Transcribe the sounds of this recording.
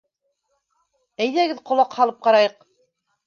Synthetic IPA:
æjðæɡɘðqŏlˠɑqhɑlˠɤp̚qɑɾɑjɤq̚

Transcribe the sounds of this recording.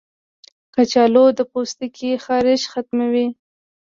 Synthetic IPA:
kat͡ʃɑlod̪əpost̪ikʰixɑɾɪʃxat̪̚mawi

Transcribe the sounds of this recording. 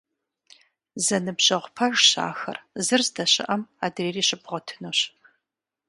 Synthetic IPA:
zɐnɨbʑ̥ɐʁʷpʰɐʒɕa̰ːxɐrzɨrzdɐɕɪ̰ʔɐmaːdreːriːɕɪbʁʷɔtʰɨnoːɕ

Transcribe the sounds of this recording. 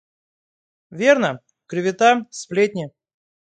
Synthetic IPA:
vʲernə | kɾʲɪvʲɪt̪asplʲet̪̚ʲnʲɪ

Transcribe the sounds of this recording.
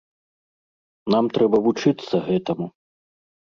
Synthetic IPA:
namt̪ɾɛbɐvut͡ʂɨt̪sːɐɣɛt̪ɐmu

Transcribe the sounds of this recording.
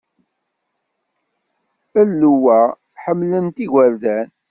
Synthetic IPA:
əlːuwæ | ħəmːlənt̪iʝəɾðæn

